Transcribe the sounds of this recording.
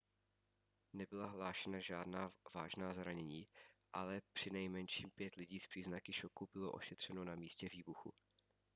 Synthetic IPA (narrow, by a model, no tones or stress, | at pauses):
nɛbɪlaɦlaːʃɛnaʒaːdnaːvaːʒnaːzɾaɲɛɲiːʔalɛpr̝̥ɪnɛjmɛnʃiːmpjɛt̪lɪɟiːspr̥iːznakɪʃokubɪloʔo̞̰ʃɛt̪r̝̥ɛno̞namiːscɛviːbuxṵ